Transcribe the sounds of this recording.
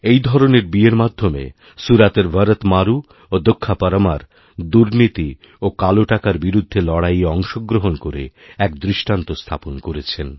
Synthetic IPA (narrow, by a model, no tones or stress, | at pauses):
ejd̪ʱɔɾoneɾbieɾmad̪ʱːomḛ | suɾat̪eɾbʱəɾət̪maɾu | od̪okʰːapaɾamaɾ | d̪uɾnit̪i | okaloʈakaɾbiɾud̪ʱːelɔɽajeɔŋʃoɡɾoɦonkoɾḛɛkd̪ɾiʃʈant̪ost̪ʰa̰ponkoɾet͡ɕʰen